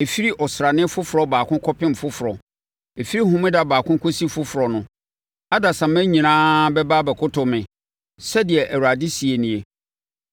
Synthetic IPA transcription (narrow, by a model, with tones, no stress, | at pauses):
e˨fi˦ɾi˦ʔɔ˨sɾa˨nɪ̃˦fʊ˦fʊ˨ɾɔ˨baː˨kʰʊ̃˦kʰɔ˦pɪ̃˦m̩˨fʊ˦fʊ˨ɾɔ˨ | e˨fi˦ɾi˦hʊ̃˦mɪ̃˦da˨baː˨kʰʊ̃˦ŋ˦kʰo˦si˦fʊ˦fʊ˨ɾɔ˨nʊ̃˨ | a˦da˨sã˨mæ̃˦ɲĩ˨nãː˦bɛ˦baː˦bɛ˨kʰʊ˦tʰʊ˨mɪ̃˨ | sɛ˦dɪ˨ɛ˨ʔæ˨wa˨dɪ˦si˨e˨nĩ˨e˨